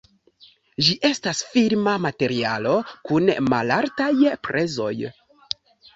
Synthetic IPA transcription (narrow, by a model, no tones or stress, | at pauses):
ʒiʔe̞stasfiɾmamate̞ɾia̰lo̞kunma̰laɾtajpɾʔe̞zo̞̰j